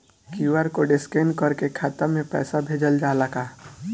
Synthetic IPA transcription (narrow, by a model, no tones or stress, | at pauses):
kiuwaɾkoɖɪskeːnkəɾkekʰaːt̪amẽpɛ̰ːsabʱeːd͡ʒəld͡ʒaːləɡaː